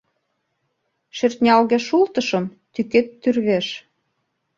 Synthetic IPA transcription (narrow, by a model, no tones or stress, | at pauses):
ʃert̪nʲɑlɣeʃult̪ɤʃɤ̆m | t̪yket̪ːyrβeʃ